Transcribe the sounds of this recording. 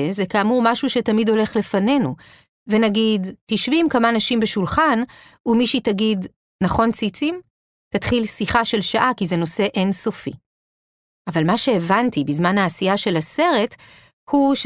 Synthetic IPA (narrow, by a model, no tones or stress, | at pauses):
ezekaːmuʁmaʃuʃetamido̞le̞χle̞fane̞nu | ve̞naɡidtiʃvimkamanaʃimbeʃulχan | umiʃitaɡid | naχo̞nt͡sit͡sim | tatχilsiχaʃe̞lʃaʔakize̞no̞se̞ʔenso̞fi | ʔavalmaʃe̞ːvantibizmanaːsijaʃe̞lase̞ʁe̞t | huʃ